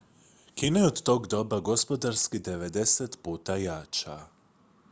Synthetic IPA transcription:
kineeod̪t̪o̞ːɡd̪o̞baɡo̞spo̞d̪aɾskid̪e̞ʋe̞d̪e̞set̪puːt̪ajat͡ʃa̰

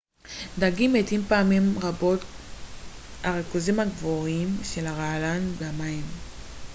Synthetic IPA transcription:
daɡimetimpaamimʁabo̞t | haʁekuzimaɡvoʁimʃe̞laʁaalanbeamaim

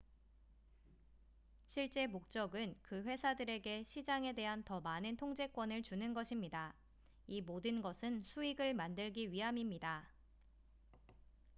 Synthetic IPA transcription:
ɕʰiɭt͡ɕ͈e̞mok̚t͡ɕ͈ʌɡɯnkɯɸwe̞sʰadɯɾe̞ɡe̞ɕʰid͡ʑaŋe̞de̞ɦantʌmanɯntʰoŋd͡ʑe̞k͈wʌnɯɭt͡ɕunɯnɡʌɕʰimɲida | imodɯnɡʌsʰɯnsʰuiɡɯɭmandɯɭɡiɥiɦamimɲida

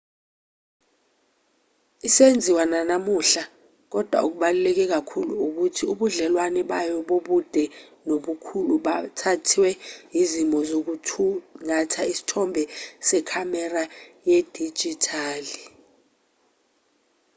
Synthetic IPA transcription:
isend͡zʱiwananamuɬa | k̬ɔd̥ʱwa̰uk̬uɓalulɛk̬ɛk̬akʰuluuk̬utʰiuɓuɮɛlwanɛɓajɔɓoɓud̥ʱɛnoɓukʰuluɓatʰatʰiwɛjizimɔzok̬uuŋatʰaisi̥tʰɔmbʱɛsɛkʰamɛrajed̥ʱi̥d͡ʒ̥ʱitʰaːli

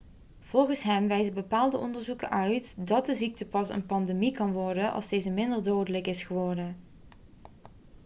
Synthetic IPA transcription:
v̥ɔlˠɣəsɦɛmʋɛjzəbəpaːlˠdəɔ̰ndəɹzukə̰nʔœɥtdɑt̚dəzik̚təpɑsə̰npɑndemikɑnʋɔɹdənʔɑ̰lˠsdejzəmɪndərdoːdələkɪsχəʋɔɹdən

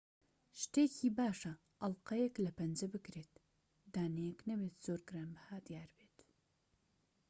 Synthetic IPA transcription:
ʃt̪eːkʰiːbaːʃɐ | ʔɐlˠqɐjeklɐpʰɐnd͡ʒɐbɨkɾeːt̪ | d̪aːnejeknɐbeːt̪z̥oːɾɡɨɾanbɨhaːd̪ijaːɾbeːt̪

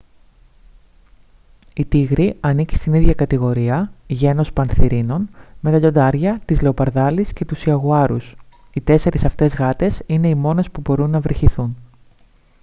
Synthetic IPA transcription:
it̪iɣɾiɐnici̥st̪iniðʝɐkɐt̪iɣo̞ɾiɐʝe̞no̞spɐnθiɾino̞nme̞t̪ɐʎo̞nd̪ɐɾʝɐt̪izle̞o̞pɐɾðɐlisce̞t̪usiɐɣuɐɾus | it̪e̞se̞ɾisɐft̪e̞zɣɐt̪e̞sine̞imo̞ne̞spubo̞ɾunːɐvɾiçiθun

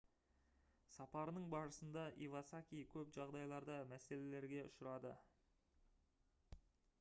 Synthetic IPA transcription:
sɑpɑɾənəɴbɑɾəsənd̪ɑʔḭvasakʲijkʲʰɵpʒɑʁd̪ɑjlˠɑɾd̪ɑmæse̞le̞le̞ɾɡʲe̞ʊ̰ʃəɾɑd̪ə

